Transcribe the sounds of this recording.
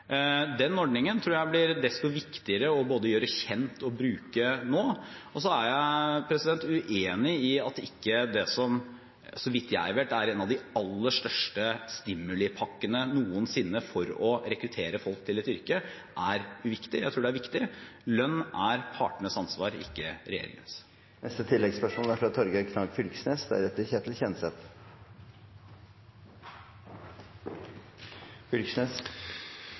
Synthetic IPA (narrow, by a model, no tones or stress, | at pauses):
d̪ɛnːɔɖɳɪŋənt̪ʰɾuːɾjæɪblɪɾd̪ɛst̪ɔʋɪkt̪ɪəɾəɔboːd̪əjøːɾəçɛnt̪ʰɔbɾʉːkənoːɔs̬ɔæɾjæɪpʰɾɛsɪd̪ɛnt̪ʉʔeːnɪɪɑt̪ɪkːəd̪ɛsɔm | sɔʋɪt̪ːjæɪʋeːʈæɾɛːnɑʋd̪ɪɑlːəʂt̪œʂʈəst̪ɪmːʉlɪpʰɑkːənənuːənsɪnːəfɔɾɔɾɛkɾʉt̪ʰeːɾəfɔlk̚t̪ʰɪlɪt̪ʏɾkə | ʔæɾʉʋɪkt̪ɪjæ̰ɪt̪ɾuːɖɛæɾʋɪkt̪ɪlœnːæɾpʰɑ̰ːʈəɳəsɑnsʋɑːɾɪ̰kːəɾɛ̰jḛːɾɪ̰ŋə̰ns | nɛst̪ət̪ʰɪlːɛɡspæʂuːnæfɑt̪ʰːɔɾɡəkʰnɑɡfʏlksneːsd̪ɛæ̰ɾɛt̪ːəɾçeːt̪l̩çɛnsɛt̪ | fʏlksnes